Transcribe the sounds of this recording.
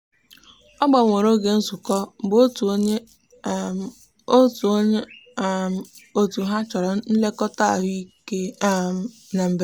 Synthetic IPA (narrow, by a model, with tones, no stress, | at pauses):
ɔ˦ɡ͡ba˨ŋʷe˨ɾo˦ɡe˨n̩˦su˨kɔ˦˨bo˦t | o˦tɲe˦˨ | o˨tu˨ɦa˦t͡ʃɔ˨ɾɔ˨n̩˦le˦kɔ˦ta˦˨ɦʊ˦i˦ke˦˨ | na˨m̩˨b